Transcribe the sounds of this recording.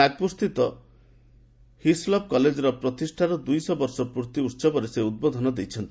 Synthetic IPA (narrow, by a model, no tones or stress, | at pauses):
aɡ̚pust̪it̪ɔ | hislɔp̚kɔled͡ʒɔɾɔpɾɔt̪isʈʰaɾɔd̪ujsɔbɔɾsɔpuɾt̪iutːsɔbɔɾeseud̪̚bod̪ʱɔnɔd̪ejt͡ʃʰɔnt̪i